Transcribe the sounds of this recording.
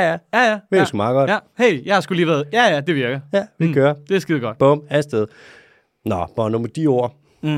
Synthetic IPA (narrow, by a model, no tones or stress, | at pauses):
æjæjæʋiɐɡsɡ̥umɑ̈ɡ̥ɒ̽d̥jæheɪ̰jɑ̈ɪhɑ̈sɡ̥uliːʋæɐðˠjæjæd̥e̝ʋiɐɡ̥ɐjæʋiɡ̥øːɐd̥e̝sɡ̥iðˠɡ̥ɒ̽d̥b̥ɔ̽mælsd̥eð̞̩ˠ | nɒb̥ɒnomɐd̥io̝ɐ̰